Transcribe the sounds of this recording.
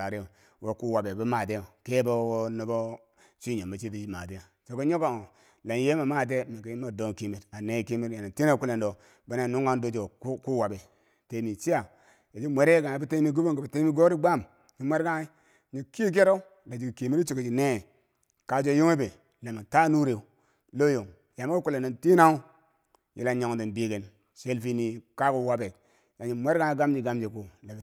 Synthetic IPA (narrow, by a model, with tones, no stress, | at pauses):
a˨ɾi˦o˨ | wo˦ku˦wa˨be˨bu˦ma˨te˦jo˨ke˦bo˦wo˦no˨bo˦ | t͡ʃi˦ɲo˨ma˨t͡ʃi˦ti˦d͡ʒi˦ma˨te˦o˨ | t͡ʃo˨ko˦ɲo˦ka˨o˨ | la˨n˨je˦ma˨ma˦t̬e˦me˨ki˦i˦ma˨do˦ŋ˨ki˦mi˨ta˨ne˦˨ki˦mi˦ɾja˨na˨ti˦na˦ku˦le˨ndo˨ | ba˦n˦a˨nu˦ŋ˦a˦ndo˦d͡ʒo˨˦ku˦wa˨be˨ | te˨˦mi˨t͡ʃi˦a˨ | e˨d͡ʒi˦mʷe˦ɾe˦ɡa˨i˦bu˦te˦mi˦ɡu˦bo˦ŋɡa˨ba˨te˦mi˦ɡo˦ɾi˦ɡ͡ba˦˨m | ɲi˨mʷe˦ɾɡa˦i˦ | ɲi˨ki˦k̬e˦ɾo˦ | la˨d͡ʒi˨ɡi˨ki˨mi˦ɾi˦t͡ʃo˨ɡi˨d͡ʒi˨ne˦˨ | ka˨d͡ʒo˦jo˦ŋe˦be˨ | la˨mi˨ta˦nu˦ɾe˨u˨ | lo˦jo˨ŋ | ja˨me˦ku˨le˨ndo˨nti˦na˦u˦ | jḭ˨la˨ɲo˨ŋ˨di˨nbi˦ɡe˨n | ʃe˦lfi˦ni˨ka˦ku˨wa˦be˨ | ja˨ɲi˨mʷe˦ɾɡa˦i˦ɡa˦md͡ʒi˨ɡa˦md͡ʒe˨ku˨la˨b